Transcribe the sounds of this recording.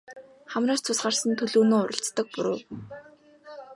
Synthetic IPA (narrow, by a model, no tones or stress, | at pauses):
χæmraːst͡sʰʊsɢaːrsə̆nt̪ʰɵɮuːnoːʊɾə̆ɬt͡st̪ə̆k̚pʊɾʊː